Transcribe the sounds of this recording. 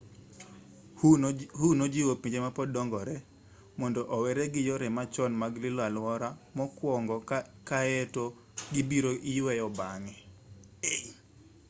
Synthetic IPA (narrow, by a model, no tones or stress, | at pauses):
hunod͡ʒiwopiɲd͡ʒemapɔdɔŋɡɔɾɛ | mɔndɔʔɔwɛɾɛɡɪjɔɾɛmat͡ʃɔnmaɡlɪlwalwɔɾamɔkwɔŋɡɔkaeto | ɡɪbiɾoʔɪjwɛjɔbaŋɛ